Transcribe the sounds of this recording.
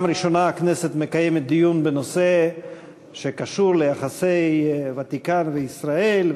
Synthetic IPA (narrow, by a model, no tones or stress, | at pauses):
mɾiʃo̞naːkne̞se̞t̪me̞kajemet̪̚d̪ijunbeno̞se̞ | ʃe̞kaʃuɾleaχase̞jvat̪ikanveisʁae̞l